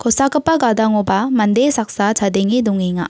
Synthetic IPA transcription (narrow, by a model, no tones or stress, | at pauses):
kɔsakɯpːaɡad̪aŋɔbamand̪esak̚sat͡ʃad̪eŋid̪uŋiŋa̰